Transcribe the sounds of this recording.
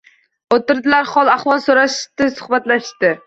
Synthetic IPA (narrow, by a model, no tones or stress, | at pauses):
ot̪ɪɾd̪ɪlaɾχɒlˠaχvɒlˠsoɾaʃɪt̪ɪsʊ̥χbat̪laʃɪt̪ɪ